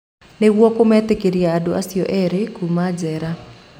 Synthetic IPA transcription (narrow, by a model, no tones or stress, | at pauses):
newɔkomɛt̪ekeɾiaːdoasiɔʔɛɾekumad͡ʒɛɾa